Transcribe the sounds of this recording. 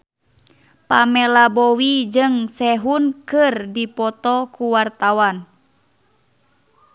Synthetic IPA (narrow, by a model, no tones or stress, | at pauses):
pamɛlabɔwid͡ʒɨŋsɛɦunkɨrdipɔt̪ɔkuwart̪awan